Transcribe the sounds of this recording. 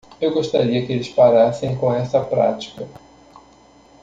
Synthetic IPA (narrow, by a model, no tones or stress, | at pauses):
ewɡoʃt̪aɾiɐkɪelɪspaɾasẽj̃kõɛsɐpɾa̰t͡ʃi̥kɐ